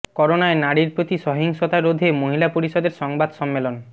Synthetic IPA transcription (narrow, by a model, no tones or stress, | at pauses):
kɔɾonaenaɽiɾpɾot̪iʃɔɦiŋʃot̪aɾod̪ʱemoɦilapoɾiʃod̪eɾʃɔŋbad̪ʃɔmːelon